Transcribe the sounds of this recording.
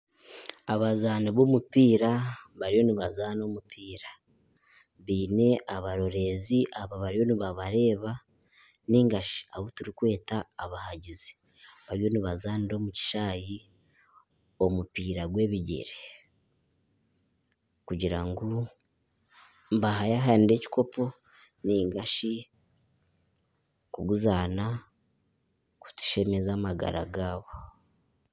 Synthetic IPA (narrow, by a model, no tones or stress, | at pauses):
aβazaːniβo̞mupiːɾaβaɾijo̞niβazaːno̞mupʰiːɾa | βiːne̞ʔaβaɾo̞ɾe̞ziʔaβaβaɾijo̞niβaβaɾe̞ːβa | niŋɡaʃi̥aβotuɾikwe̞ːtaːβahaɟizi | βaɾijo̞niβazaːniɾo̞ːmuci̥ʃaːji | omupiːɾaɡwe̞ːβiɟe̞̰ɾe | kuɟiɾaŋɡo | mbaɦajaɦaːniɾe̞ci̥ko̞po̞ | niːŋɡaʃi | kuɡuzaːna | ku̥tu̥ʃe̞me̞zaːmaɡa̰ɾa̰ɡaːβo